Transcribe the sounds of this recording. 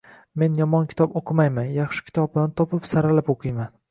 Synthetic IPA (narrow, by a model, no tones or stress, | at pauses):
me̞njɒmɒnkʲʰɪ̥t̪ʰɒpoqʰɨmajmanjɑχʃɪ̥kʲʰɪ̥t̪ʰɒp̚b̪ant̪ʰɒpɪpsaɾalapoqʰɨjman